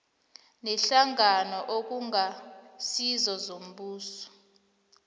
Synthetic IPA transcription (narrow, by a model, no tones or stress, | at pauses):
nɛɬaŋanɔʔok̬uŋasizɔzom̩ɓuːsɔ̥